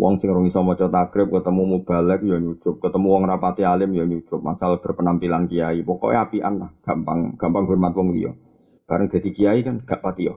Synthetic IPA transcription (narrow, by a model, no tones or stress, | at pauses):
wʔɔ̰ŋsɪŋrʊŋisɔmɔt͡ʃɔt̪aɡɾɪp̚kət̪əmumub̥a̤lɛk̚jɔɲut͡ʃʊp̚kət̪əmuwɔŋrapat̪ialɪmjɔɲut͡ʃʊp̚ma̰salab̥ə̤rpənampilankijaipɔkɔ̰apiʔa̰nlahɡ̥a̤mpa̰ŋɡ̥ampaŋɦʊrmat̪̚wɔŋlḭjɔ̰ | b̥aɾəŋd̪̥a̤d̪̥i̤kijaikanɡ̥aʔpat̪ijɔ